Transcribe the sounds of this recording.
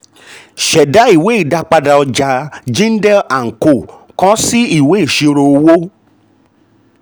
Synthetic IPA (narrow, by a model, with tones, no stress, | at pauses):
ʃɛ˨da˨˦i˦˨we˨˦i˦˨da˧k͡pa˧da˧ɔ˧d͡ʒa˧d͡ʒĩ˦n̩˦dɛ˦la˨ŋ̩˨ko˨ | kɔ̃˦si˦i˨we˨˦i˨ʃi˧ɾo˧o˧wo˦